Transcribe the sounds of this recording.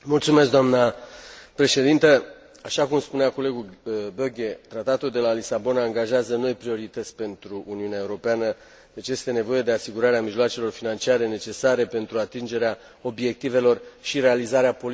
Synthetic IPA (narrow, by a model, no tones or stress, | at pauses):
mult̪sume̞s̬k̬̚d̪oamnəpɾe̞ʃe̞d̪int̪ə | aʃakumspuneako̞le̞ɡuboɡʲe̞t̪ɾat̪at̪uld̪e̞lalisabo̞naːŋɡaʒeazəno̞jpɾio̞ɾit̪ət̪sʲpe̞nt̪ɾuʔːniunae̞uɾo̞peanə | d̪e̞t͡ʃje̞st̪e̞ne̞vo̞je̞d̪easiɡuɾaɾeamiʒloat͡ʃe̞lo̞rfinant͡ʃiaɾe̞ne̞t͡ʃe̞saɾe̞pe̞nt̪ɾuat̪ind͡ʒe̞ɾea | o̞bje̞k̚t̪ive̞lo̞rʃiɾe̞alizaɾeapo̞l